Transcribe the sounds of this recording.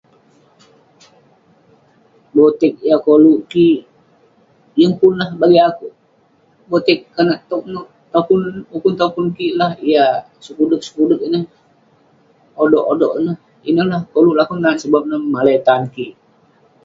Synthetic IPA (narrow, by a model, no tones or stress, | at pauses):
bot̪ɛk̚ijakoluʔki | jəŋpʊnlahbaɡiakuʔ | bot̪ɛkːanaʔt̪ɔk̚no | t̪okunukunt̪okunkilahija | səkudək̚sə̥kudək̚inəh | odɔʔodɔʔnəh | inəhlahkoluʔlakunːansəbap̚nəhmalet̪ankiʔ